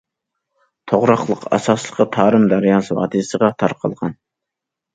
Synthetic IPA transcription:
t̪ʰoʁɾɑχlˠəqɑ̰sɑslˠə̥qɑt̪ʰɑːɾɨmd̪æɾjɑnsɨwɑ̰ːt̪ʰɨsəʁɑt̪ʰɑɾqʰɑ̰lˠʁɑn

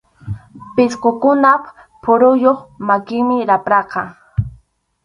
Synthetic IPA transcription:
pɪskokʊnap | pʰʊɾʊjoχmakɪŋmɪɾapɾɑqɑ

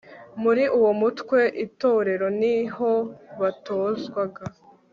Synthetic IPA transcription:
muɾiʔuwo̞mutkwe̞ʔito̞ːɾe̞ɾo̞niɦo̞βatʰoːzɡwaɡa

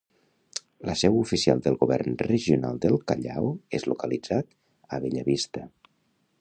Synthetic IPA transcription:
ləsɛwufisia̰lˠd̪əlˠɣuβɛ̰rnrəʒiunalˠd̪əlˠkaʎawezlukəlid͡zat̪ | əβeʎəβist̪ə

